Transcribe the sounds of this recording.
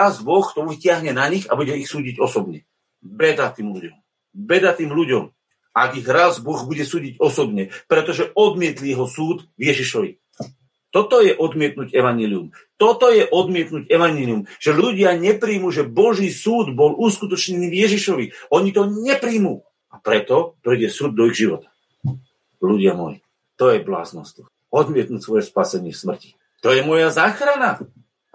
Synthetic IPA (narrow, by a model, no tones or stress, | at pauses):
azbɔxkt̪ɔicɪaɦɲɛnaɲiɣa̰buɟɛixsuːɟiɟɔsɔbɲɛ | bɛd̪at̪iːmluɟɔm | bɛd̪at̪iːmluɟɔm | aɡiɣɾazbɔɣbuɟɛsuːɟiɟɔsɔbɲɛpɾɛt̪ɔʒɛɔd̪mɪɛt̪lijɛɦɔsuːd̪vjɛʒiʃɔʋḭ | t̪ɔt̪ɔjɛʔɔd̪mɪɛt̪̚nuɟɛʋaɲɛlium | t̪ɔt̪ɔjɛʔɔd̪mɪɛt̪nuɟɛʋaɲɛliumʒ̥ɛluɟɪaɲɛpɾiːmuʒɛbɔʒiːsuːd̪bɔlʔuskut̪ɔt͡ʃɲɛniːvjɛʒiʃɔʋiɔɲit̪ɔɲɛpɾiːmuː | apɾɛt̪ɔpɾijɟɛsuːd̪̚ːɔiɣʒiʋɔt̪ḁ | luɟɪamɔ̰jḭ | t̪ɔjɛbla̰ːznɔ̰st̪ɔ | ɔd̪mɪɛt̪̚nuːcsʋɔjɛspasɛɲɪɛfsmr̩ci̥ | t̪ɔjɛmɔjazaːxɾana